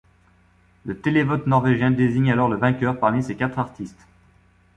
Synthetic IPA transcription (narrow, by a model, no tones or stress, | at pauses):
lət̪elevɔt̪nɔʁveʒjɛ̃d̪eziɲalɔʁləvɛ̃kʲœʁpaʁmisekʲat̪χaʁt̪ist̪